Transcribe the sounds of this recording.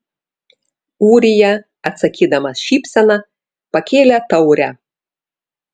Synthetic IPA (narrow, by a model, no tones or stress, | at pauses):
uːɾʲɪjɛ | ɐt̪sɐkʲiːd̪ɐmɐsʃʲiːpʲsʲɛnɐ | pɐkʲeːlʲɛt̪ɐʊɾʲɛ̰